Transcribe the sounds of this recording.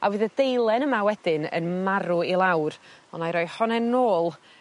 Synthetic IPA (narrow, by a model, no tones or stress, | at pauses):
awɨːðədejlˠɛnəmawɛdɪnə̰nmaɾʊilˠawrɔnajɾɔjhɔnɛnoːlˠ